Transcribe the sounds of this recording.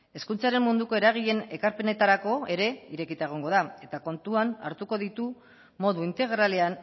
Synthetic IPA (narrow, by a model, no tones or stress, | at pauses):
e̞skunt͡saɾe̞mmund̪uko̞e̞ɾaɣ̞iʎe̞ne̞kaɾpe̞ne̞t̪aɾako̞e̞ɾe̞iɾe̞kit̪aeɣ̞o̞ŋɡo̞ð̞ae̞t̪ako̞nt̪uana̰ɾt̪uko̞ðit̪u | mo̞ðuint̪e̞ɣ̞ɾale̞an